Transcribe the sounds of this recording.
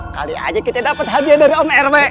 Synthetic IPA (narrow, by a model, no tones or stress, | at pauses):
ka̰lia̰d͡ʒakit̪adapət̪̚ɦadiadaɾiɔmɛrbɛ